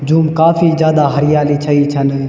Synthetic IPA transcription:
d͡ʒuːmkaːfizjaːd̪aɦɐɾɪjaːlit͡ʃʰɐit͡ʃʰən

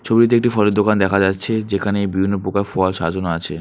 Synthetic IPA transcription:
t͡ɕʰobiit̪̬eek̚ʈifɔleɾd̪okand̪ɛkʰad͡ʑatːɕʰed͡ʑekʰaneebibʱinːopokaɾfɔlʃad͡ʑonoat͡ɕʰe

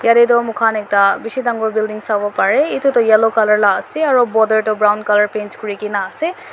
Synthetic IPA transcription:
jadetɔmukʰanɛk̚tabisidaŋɡɔɹbildiŋsabɔpaɹɛitutɔjɛlokalaɹlaːseaɹɔbɔdəɹtɔbɹawnkaləɹpent͡ʃkuɹikinaːsɛ

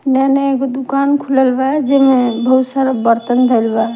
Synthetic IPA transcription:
naneeɡod̪ukankʰuləlbad͡ʒemebʱəɦusəɾbəɾt̪ənd̪ʱəɪlba

